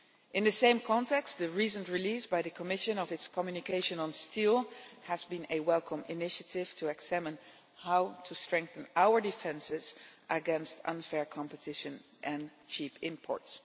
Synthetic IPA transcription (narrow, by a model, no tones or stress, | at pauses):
ʔɪ̃nðɨsẽɪ̃mkʰɑ̃ntɛkst̚ðɨɹisə̃ntɹilisbaɪðɨkʰəmɪʃə̃nʌvɨtskʰɔmjʉnɨkeɪʃɨ̃nə̃nstʰilˠəzbĩnɨwɛlˠkʰə̃mɪnɪʃətʰɪv̥tʰəɛɡz̥æmə̃n | haʊtʰustɹ̥ɛ̃ŋk̚θə̃nawə˞dɨfɛ̃nsɪzʔəɡɛ̃nstʌ̰̃nfɛɹkʰɑ̃mpətʰɪʃɨ̃n | ʔɨ̃nt͡ʃʰipɪ̃mpʰɔ̰ɹts